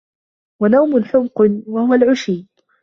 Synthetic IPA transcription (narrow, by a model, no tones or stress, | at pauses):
wanawmʊnħʊmqwahʊwalʕʊʃiː